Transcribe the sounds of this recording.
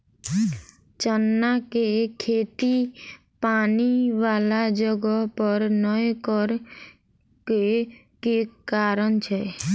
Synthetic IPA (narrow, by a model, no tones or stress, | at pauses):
t͡ʃənːakekʰeːt̪i | paːniʋaːlad͡ʒəɡəɦpəɾnəjkəɾ | ke | kekaːɾənt͡ʃʰɛ